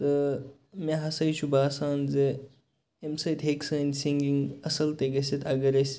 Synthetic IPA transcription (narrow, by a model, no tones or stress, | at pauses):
t̪ɨ | mẽɦɐsɐjt͡ʃʰubaːsaːnze | emsɐjt̪ɦeksɐːnʲsiŋɡiŋɡɐsɐlt̪eɡɐset̪ʰɐɡɐɾesʲ